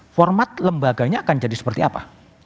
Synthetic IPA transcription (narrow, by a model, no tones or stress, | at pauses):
fɔrmat̪̚ləmbaɡaɲaːkand͡ʒadisə̥pərt̪iapa̰